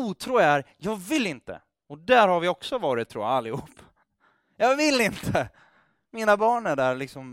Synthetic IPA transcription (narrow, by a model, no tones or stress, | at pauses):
uːt̪ʰɾuːæɾjɑːɡvɪlːɪnt̪ə̰ | ɔd̪æːɾhaɾvɪɔksɔvɑːɾɪt̪ʰːɾṵːja̰alːɪhuːpː | jɑːvɪlːɪnt̪ʰə | miːnabɑːɳæɖæːɾɭɪksɔm